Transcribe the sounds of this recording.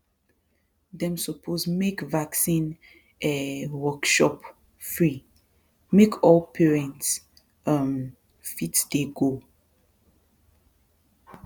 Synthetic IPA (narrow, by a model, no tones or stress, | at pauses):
dɛ̃msəpʰozmekvaksĩn | ʔɛwɔkʃɔp | fɹi | mekʰɔlpʰɛɹɛ̃nts | ʌm | fitsdeɡo